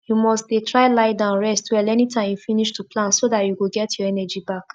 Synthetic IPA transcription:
jumɔstdetɹaɪlaɪdãʊ̃nɹɛstwɛlɛnitʰãɪ̃mjufĩniʃtuplãntsoðatjuwuɡɛtʰjɔɛnɛd͡ʒibak

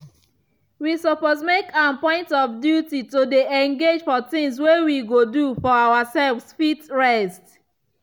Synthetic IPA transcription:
wisɔpozmekãnpɔ̃ɪ̃ntɔfdjutitodeɛ̃ŋɡed͡ʒfɔtĩŋswewiɡodufɔawasɛlvsfitɹɛst

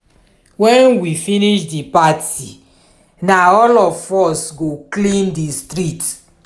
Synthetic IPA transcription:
wɛ̃nwifiniʃdipati | naɔlɔfɔsɡoklĩndistɹit

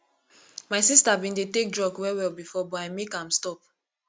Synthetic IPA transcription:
maɪsistabĩndetek̚dɹɔɡwɛwɛlbifɔbɔamekãmstɔp̚

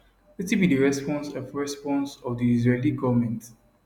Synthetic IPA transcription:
lɛtibidəɹɛspɔ̃nsɔfɹɛspɔ̃nsɔfdiizɹeliɡɔvmɛ̃nt

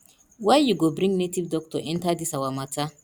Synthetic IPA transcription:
wajɪɡɔbɾɪŋɡnet̪ibd̪ɔk̚t̪ɔʔɛnt̪ad̪ɪsɐwamɐt͡sːa

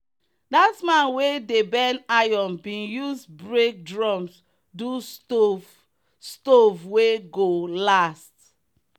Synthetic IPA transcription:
datmãnwedebɛnajɔ̃mbĩnjuzbɹek̚dɹɔ̃ms | duso | stovweɡolast

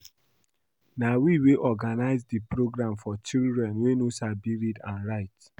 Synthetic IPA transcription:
nawiweʔɔɡanaɪzdipɹoɡɹãmfɔt͡ʃildɹɛ̃nwenosabiɹidãnɹaɪt

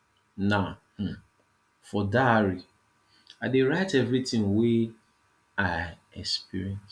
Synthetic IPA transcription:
naʊh̩ | fɔdaɹi | adeɹaɪtɛvɹitĩŋwe | aɪ | ɛ̰kspḭɹiɛ̃ns

